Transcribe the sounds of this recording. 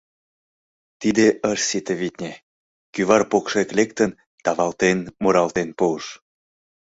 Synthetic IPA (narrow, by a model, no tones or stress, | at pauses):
t̪id̪eəʃsit̪əβit̪nʲe | kyβɑrpokʃeklek̚t̪ən | t̪ɑβɑlt̪enmuɾɑlt̪enpuəʃ